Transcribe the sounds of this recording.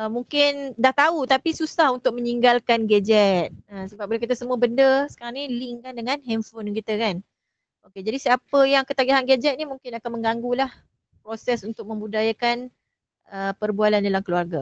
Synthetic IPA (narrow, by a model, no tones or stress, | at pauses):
əmuŋkɪndaht̪aut̪apisusahunt̪ʊk̚mə̃ɲiŋɡalkanɡɛd͡ʒɛt̪̚əsəbap̚bulakat̪̬asəmuəbəndəsə̥kaɾaŋnilɪŋkandəŋãnɦɛmfonk̬it̪əkan | oked͡ʒadisiapəjaŋkət̪aɡaɦanɡɛd͡ʒɛt̪̚nimuŋkɪnakanmə̃ŋɡaŋɡulah | pɾosɛsunt̪ʊk̚mə̃mbudajakan | əpərbualandalamkəluarɡa